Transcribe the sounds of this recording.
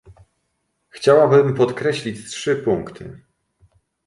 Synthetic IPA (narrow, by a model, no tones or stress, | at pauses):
xt͡ɕawabɘmpɔt̪kɾɛɕlʲit͡ɕtʂɘpuŋkt̪ʰɘ̰